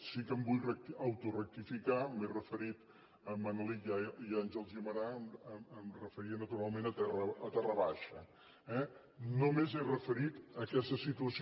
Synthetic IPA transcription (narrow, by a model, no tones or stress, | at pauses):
sikəmbujrək̪əwt̪urək̚t̪ifikamerəfəɾit̪ | əmənlijajanʒəlˠziəməɾaəməəmrəfəɾiənət̪uɾalˠmenət̪ɛrəət̪ɛrəβaʃə | ɛ | nomezerəfəɾit̪əkɛst̪əsit̪uəs